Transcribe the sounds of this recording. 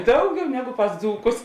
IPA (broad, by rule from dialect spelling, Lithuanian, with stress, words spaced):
ˈdɐʊˌɡʲɛʊ ˈnʲæːɡʊ pɐs ˈd͡zuːkʊs